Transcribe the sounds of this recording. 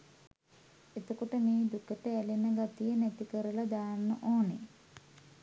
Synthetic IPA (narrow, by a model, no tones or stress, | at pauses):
et̪okoʈəmeːd̪ukəʈəælinəɡat̪ijənɛt̪ikəɾəlad̪aːnːəʔoːne